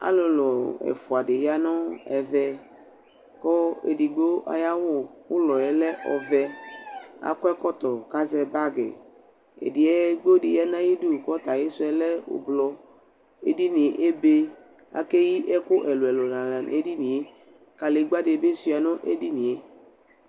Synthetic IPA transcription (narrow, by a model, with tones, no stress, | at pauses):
a̰˦lo˨lɔ˨ɛ̰˨fʊ˨a˨de˨ja˦nɔ˦ɛ˨vɛ˦ | kɔ˦ḛ˨di˨ɡ͡bo˦ʔa̰˨ja˦wʊ˦wʊ˦lɔ˨ɛ˨lɛ˦ʔɔ̰˨vɛ˦ | a̰˨kɔ˦ɛ˦kɔ˦t̪ɔ˨ka˦zɛ˦˨ba˦ɡɛ̰˨ | ḛ˨di˨ɛ˦ɡ͡bo˦di˨ja˦nã˦ji˦du˦˨kɔ˦t̪a˨je˦sʊ˦ɛ˦lɛ˦o̰˨blɔ˦ | ḛ˨di˦nĩ˨e˨ʔe˦be˦ | a̰˨ke˦ji˦ʔɛ˦kʊ˦ʔɛ˨lʊ˨ɛ˨lɔ˨nã˨la˨ne˦di˦nĩ˨e˦ | ka˨le˨˦ɡ͡ba˦de˨be˦su˦˨a˨nɔ̃˦ʔḛ˦di˦nĩ˨e˨